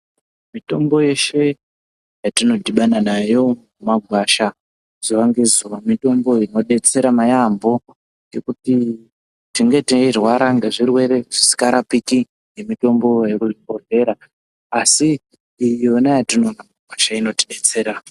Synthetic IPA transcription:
mito̞mbo̞je̞ʃe̞ | jatino̞dʱiɓananajo̞mumaɡʱwaʃa | z̥uʋaŋɡe̞zuwamito̞mbo̞ino̞ɗe̞t͡se̞ɾamajambo̞ | ŋɡe̞kuti | tiŋɡe̞tiirwaɾaŋɡeʐirwe̞ɾe̞ʐisi̥kaɾapiki | ŋɡe̞mito̞mbo̞jekuikore̞ɾaː | siː | jo̞najatino̞namɡʱwaʃaino̞tiɗe̞t͡se̞ːɾa

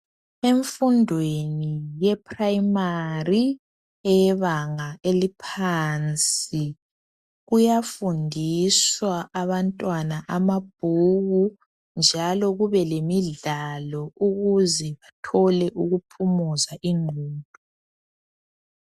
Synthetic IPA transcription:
eɱfundʱwenijɛpʰʼrajmari | ɛjɛβaŋaelipʰaːnt͡sʼi | ɣujafundʱiswaʔːβantʼwanaʔamab̥̚ʱuɣu | nd͡ʒʱalɔɣuβɛlemiɮalɔuɣuzɛβatʰɔlɛʔuɣupʰumuzaʔiŋʱuːdʱɔ

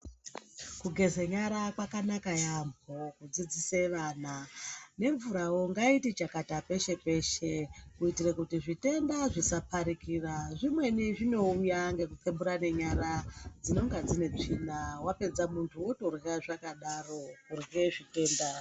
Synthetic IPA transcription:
kuɡʱe̞zeɲaɾakwakanakajambʱokud͡zid͡ziseʋaːnane̞ɱvuɾawo̞ŋɡaitit͡ʃakatape̞ʃe̞pe̞ʃe̞kuitirekutiʐite̞ndaʐisapʰaɾikiraʐimwe̞niʐino̞ujaŋɡe̞kut͡sembuɾane̞ɲaɾad͡zino̞ŋɡad͡zine̞b͡ʐinawape̞d͡zamuntʰuwo̞to̞reraʐakaɗaro̞kurɣeʐite̞ːnda

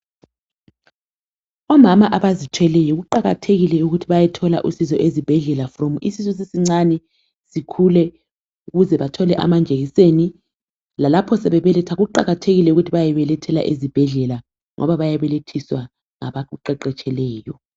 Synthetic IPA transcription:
ɔmamaʔaβazitʰwɛlɛjɔɣuǃaɣatʰeɣilɛuɣutʰiβajɛtʰɔla̰ʔusizɔʔezib̥ʱɛɮɛlafromuisizus̬isiŋ͡ǀanɛ | sikʰulɛ | uɣuzɛβatʰɔlɛʔa̰mand͡ʒʱeɣiseni | lalapʰɔsɛβɛβɛlɛtʰaɣuǃaɣatʰeɣilɛuɣutʰiβajɛβɛlɛtʰɛla̰ʔezib̥ʱɛɮɛla | ŋʔɔ̰βaβajaβɛletʰiswa | ŋa̰βauǃɛǃɛt͡ʃʼɛlɛːjɔ

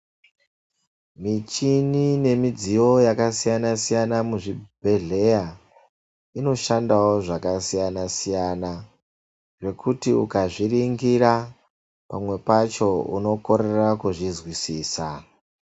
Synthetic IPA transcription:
mit͡ʃinine̞mid͡ziwo̞jakasijanasijanamuʐibʱe̞ɮe̞ja | ino̞ʃandawo̞ʐakasijanasijana | ʐe̞kʰutiukaʐiriŋɡira | pamwe̞pat͡ʃo̞ṵno̞ko̞ɾe̞rakuʐizwisiːsa

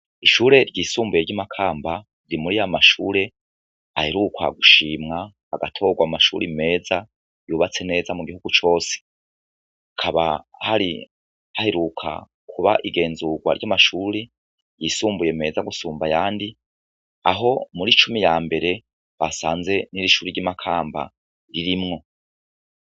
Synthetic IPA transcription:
iʃuːɾe̞ɾɟiːsuːmbuje̞ɾjamakʰaːmba | iɾimuɾijamaʃuːɾe̞ | aheɾukʰwa̰ɡuʃiːmŋaː | ɡatʰo̞ɡwamumaʃuːɾime̞ːza | juːβat͡se̞ne̞ːzamuɡihuɡ̥ut͡ʃo̞ːse̥ | akʰaβahaɾḭ | aheɾukʰa̰ | kʰuβa̰ʔiɡe̞ːnzuɡwa̰ɾjamaʃuːɾi | jisuːmbuje̞me̞ːzaɡusuːmbajaːndi | aɦo̞muɾit͡ʃumijaːmbe̞ɾe̞ | βasaːnze̞niɾiʃuːɾiɾjimakʰaːmba̰ | ɾiɾimŋo̞

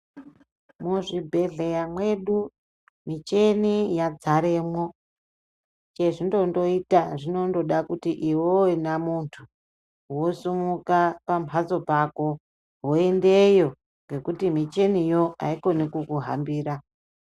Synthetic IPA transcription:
muʐibʱe̞ɮe̞jamwe̞ɗu | mit͡ʃe̞nijad͡zaɾe̞ːmwo̞ | t͡ʃeʐindo̞ndo̞itaʐino̞ndo̞ɗakutiʔiwowenamuntʰu | wo̞sumukapampʰazo̞pako̞ | ɦwoende̞jo̞ | ŋɡe̞kutimit͡ʃe̞nijo̞a̰iko̞nekukuɦa̰mbiːɾa

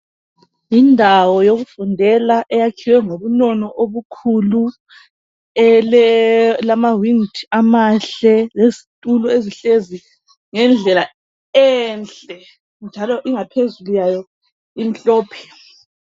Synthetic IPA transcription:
jindʱawɔjoɣufundʱɛlaʔɛjakʰiwɛŋoβunɔnɔʔoβukʰulu | ɛl | lamawiŋtʰamaɬɛlezitʼulɔeziɬezi | ŋɛnd͡ɮʱɛla | ɛnt͡ɬɛ | nd͡ʒʱalɔʔiŋapʰezulujajɔ | im̩ɬɔːpʰɛ̥

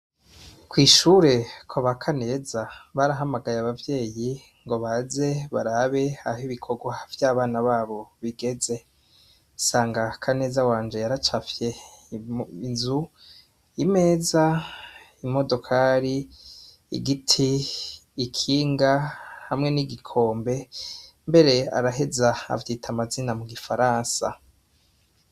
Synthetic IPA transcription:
kwiːʃuɾe̞kʰoβakʰane̞ːzaβaɾaɦamaɡajaβavje̞ːji | ŋɡo̞βaze̞βaɾaːβe̞ahiβikʰo̞ɡwav̥jaːβaːnaβaːβo̞βiɡe̞ze̞ | saːŋɡakʰane̞ːzawaːnd͡ʒe̞jaɾat͡ʃafje̞ | inzu | ime̞ːza | imo̞do̞kʰaɾi | ḭɡitʰiː | kʰiːŋɡahamŋe̞niɡikʰo̞ːmbe̞ | mbe̞ɾe̞a̰ɾaɦe̞zaa̰vjitʰamazinamuɡifaɾaːnsa̰

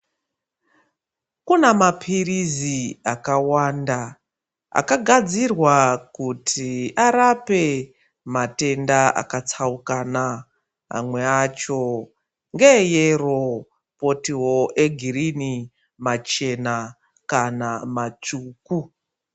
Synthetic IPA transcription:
kunamapʰiriziakawaːnda | a̰kaɡʱad͡zirwakutʰiaɾape̞ | mate̞ndaa̰kat͡saukana | a̰mwe̞at͡ʃo̞ | ŋɡejero̞ | po̞tiwo̞ʔe̞ɡʱirini | mat͡ʃe̞na | kanamat͡ʂuːku

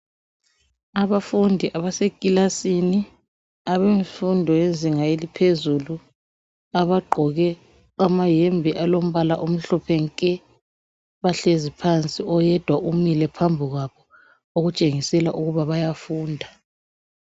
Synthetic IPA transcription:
aβafundʱiʔaβasekʼilasini | aβeɱfundʱɔjenzʱiŋajelipʰezulu | aβaɡ͡ǃʱɔɣɛ | amajembʱiʔalom̩βalaʔom̩ɬɔpʰɛŋkʼɛ | βaɬezipʰant͡sʼiɔjɛd̥ʱwaʔumilɛpʰambʱiɣwaβɔ | oɣut͡ʃʼeŋisɛlaʔuɣuβaβajafuːndʱa

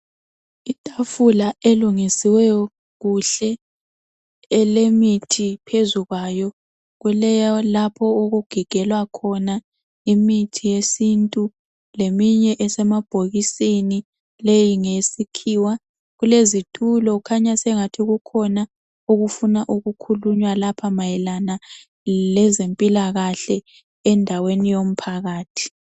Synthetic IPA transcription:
itʼafulaeluŋisiwɛjɔ | ɣuɬɛ | lemitʰipʰezuɣwajɔ | ɣulɛjalapʰɔoɣuɡ̥ʱiɡ̥ʱɛlwakʰɔna | imitʰijesintʼu | lemiɲɛʔɛsɛmab̥ʱoɣisini | lejiŋesikʰiːwa | ɣulezitʰulɔkʰaɲasɛŋatʰiɣukʰɔna | uɣufunaʔuɣukʰuluɲwalapʰamajɛlana | lɛzempʼilaɣaɬɛ | ɛndʱawenijom̩pʰaɣaːtʰi̥

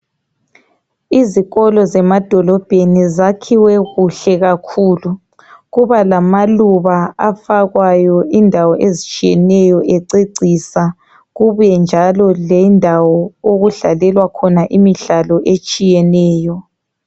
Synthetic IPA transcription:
iziɣɔlɔzɛmad̥ʱɔlɔb̥ʱenizakʰiwɛɣuɬɛɣakʰuːlu | ɣuβalamaluβaafaɣwajɔindʱawɔʔezit͡ʃʼijɛnɛjɔʔeǀeǀisa | ɣuβɛnd͡ʒʱalɔlɛndʱawɔoɣuɮalɛlwakʰɔnaʔimiɮalɔʔet͡ʃʼijɛnɛːjɔ

